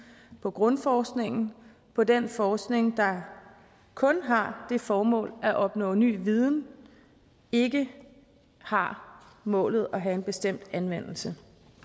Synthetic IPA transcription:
pʰɒ̽ɡ̥ʁɔ̽nfɒːsɡ̥ne̝ŋn̩ | pʰɒ̽denfɒːsɡ̥ne̝ŋd̥ɑ̈ | kʰɔ̽nɦɑ̈d̥e̝fɒːmɔ̰̽ːlæʔɒ̽b̥nɔ̰̽ːny̰ːʋið̞ˠn̩ | e̝ɡə | hɑ̈ | mɔ̰̽ːlð̞̩ˠɒɦæe̝nb̥e̝sd̥em̰d̥ænʋen̰l̩sə

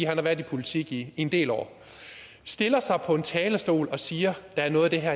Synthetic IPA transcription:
ɦænhɑʋæɐðˠipʰo̝lit͡sʰiɡ̥ie̝nd̥e̝̰ːlɒ̰ː | sd̥e̝lɐsɑ̈ɪpʰɒ̽e̝nt͡sʰɛːlɐsd̥o̝̰ːlɒ̽siːɐd̥ɑ̈æɐnɔ̽ːð̩ˠd̥e̝ɦæɐ

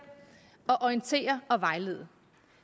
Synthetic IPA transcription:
ɒ̽ʔɒint͡sʰe̝̰ːɐɒ̽ʋɑ̈ɪle̝ːðˠ

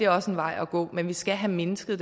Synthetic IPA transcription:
e̝æɐɒ̽səe̝nʋɑ̈ɪ̰ɒɡ̥ɔ̰̽ːmenʋisɡ̥æɦæmenəsɡ̥əð̩ˠd̥e

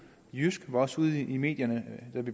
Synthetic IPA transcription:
jysɡ̥ʋɑ̈ɒ̽suð̞ˠime̝̰ːd̥jɐnəd̥æb̥i

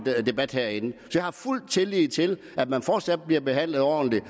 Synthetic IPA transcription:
de̝b̥æd̥heɐ̰e̝nəsɒ̽jɑ̈hɑ̈ful̰d̥̚t͡sʰe̝liːt͡sʰe̝l | ʔæd̥mænfɒːd̥sæd̥̚b̥liɐb̥e̝ɦæn̰ləð̩ˠɒ̰ːn̩li

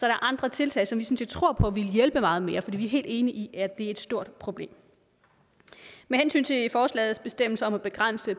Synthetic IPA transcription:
sɒæɾɐʔɑ̈nd̥ʁɐt͡sʰe̝lt͡sʰɛ̰ːsɒ̽mʋisynse̝d̥̚t͡sʰʁo̝ɐ̰pʰɒ̽ʋiləjelb̥əmɑ̈ːð̩ˠme̝ːɐfɒd̥ḭːʋiæɐɦe̝̰ːlde̝ːniʔiʔæɐd̥e̝e̝d̥sd̥o̝ɐ̰d̥pʰʁo̝b̥le̝̰ːm | mehensy̰ːnt͡sʰe̝fɒːslɛ̰ːð̩ˠsb̥e̝sd̥em̰l̩sɐɒ̽mæb̥e̝ɡ̥ʁan̰sə

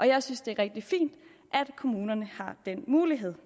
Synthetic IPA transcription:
ʔɒ̽jɑ̈ɪsynsd̥e̝æʁɛɡ̥̚d̥ifḭːnd̥ | ʔæd̥kʰo̝muːnɐnəhɑ̈d̥en̰muːliɦe̝ð̞̰ˠ

